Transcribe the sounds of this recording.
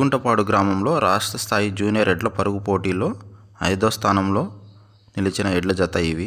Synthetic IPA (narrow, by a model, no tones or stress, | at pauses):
uɳʈɐpaːɽuɡɾaːmɐmlo̞ːɾaːʂʈɾɐst̪ʰaːjid͡ʒuːnijɐɾeɖlɐpɐɾuɡupo̞ːʈiːlo̞ː | ɐ̰jd̪oːst̪ʰaːnɐmlo̞ː | nilit͡ʃinɐɛɖlɐd͡ʒɐt̪ːɐjiʋi